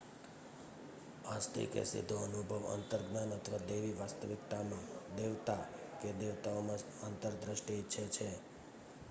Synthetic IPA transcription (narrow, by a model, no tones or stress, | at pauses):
ast̪ʰḭkḛsḭd̪ʱːoənubʱəʋə̰nt̪əɾɡnanət̪ʰəʋad̪eʋiʋast̪əʋɪkt̪amãd̪eʋt̪aked̪eʋt̪aomã | ant̪əɾd̪ɾəʃʈitːʃʰet͡ʃʰe